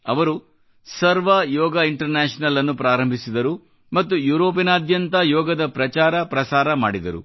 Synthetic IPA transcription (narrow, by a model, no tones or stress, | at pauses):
ɐʋɐɾu | sɐɾʋɐjɔːɡɐiɳʈɐɾnɛːʂnɐlɐnːupɾaːɾɐmbʱisid̪ɐɾu | mɐt̪ːujuːɾoːpinaːd̪jɐnt̪ɐjɔːɡɐd̪ɐpɾɐt͡ʃaːɾɐpɾɐsaːɾɐma̰ːɽid̪ɐ̰ɾṵ